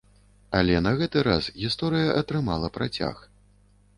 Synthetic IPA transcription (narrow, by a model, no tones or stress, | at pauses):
ɐlʲɛnɐɣɛt̪ɨɾasɣʲist̪ɔɾɨjɐʔɐt̪ɾɨmalˠɐpɾat͡sʲa̰x